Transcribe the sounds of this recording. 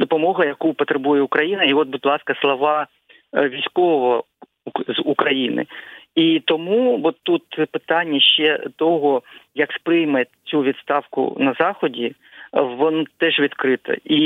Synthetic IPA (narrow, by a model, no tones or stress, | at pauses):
d̪ɔpɔmɔɦɐjɐkupɔt̪ɾebujɛʊkɾɐjinɐiɔt̪̚bʊdʲlˠɑskɐslˠɔʋɑ | ʋʲijsʲkɔɔʋɔ | zukɾɐjinɪ̰it̪ɔmuʋɔt̪ːut̪pɪt̪ɑnʲːɐʃt͡ʃɛt̪ɔɦɔjɐkspɾɪjmet͡sʲuʋʲid̪st̪ɑwkʊ̰nɐzɑxɔdʲi | ʋɔnt̪ɛʒʋʲid̪kɾɪt̪ɐ̰i